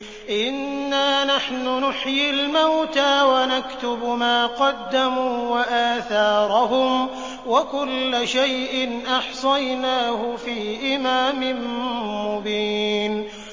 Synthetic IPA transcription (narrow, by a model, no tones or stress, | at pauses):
ʔɪnːaːnaħnʊnʊħjɪlmawt̪aːwanakt̪ʊbmaːqɑd̪ːamuːwaʔaːθɑːɾˤɑɦʊm | wakʊlːaʃajʔɪnʔɑħsˤɑjnaːhʊfiːʔɪmaːmɪmmʊbiːn